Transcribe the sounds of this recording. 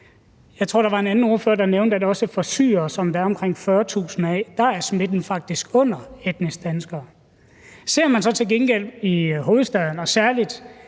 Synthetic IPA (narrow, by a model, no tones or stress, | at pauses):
jɑ̈ɪt͡sʰo̰ɐd̥ɑ̈ʋɑ̈e̝nænn̩o̝ɐføːɐd̥ɑ̈neʊnd̥əæd̥ɒ̽səfɒ̽sy̰ːɐsɒ̽md̥ææɐɒmkʰʁeŋ̰fɶːɐt͡sʰṵːsn̩ɛːd̥ɑ̈æɐsme̝d̥n̩fɑ̈ɡ̥̚d̥isɡ̥ɔ̽n̰ɐed̥nisd̥ænsɡ̥ɐː | se̝ɐ̰mænsɒ̽t͡sʰe̝lɡ̥enɡ̥el̰iɦo̝ːð̞̩ˠsd̥ɛðˠn̩ɒ̽sæɐlid̥